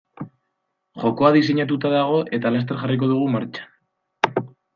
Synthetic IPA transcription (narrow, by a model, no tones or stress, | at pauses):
ʝo̞ko̞aðise̞ɲat̪̬ut̪aðaɣ̞o̞ʔe̞t̪alast̪e̞ɾʝarik̬o̞ð̞uɣ̞umaɾt͡ʃḁ